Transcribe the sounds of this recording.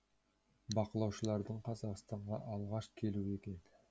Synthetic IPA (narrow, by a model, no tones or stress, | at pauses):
bɑqəlˠɑwʃəlˠɑɾd̪əɴqʰɑzɑqst̪ɑɴʁɑ̰ʔɑlˠʁɑʃkʲʰe̞lue̞kʲe̞nɪ